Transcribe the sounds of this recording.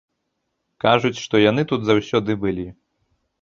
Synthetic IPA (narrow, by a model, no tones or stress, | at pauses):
kaʐut͡sʲʂt̪ɔjan̪ɨt̪ud̪zawsʲɔd̪ɨbɨlʲi